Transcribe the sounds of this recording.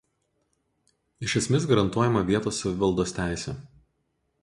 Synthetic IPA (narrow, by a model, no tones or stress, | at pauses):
ɪʃʲɛsʲmʲɪsɡɐɾɐnt̪uɔjɛmɐʋʲiɛt̪oːsɐʋʲɪʋɐlˠd̪oːst̪ʲæˑɪsʲɛːˑ